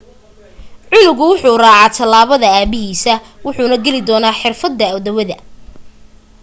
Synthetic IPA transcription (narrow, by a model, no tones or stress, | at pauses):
ʕʊnʊɣʊwʊħuːraːʕɑːt̪ʰɐlaːβɐðɐaːbɪɦiːsɐ | wʊħuːnɐɡɛlɪd̪ɔːnaːħɪrfɐd̪ːɐɔd̪ɐwɐðɐ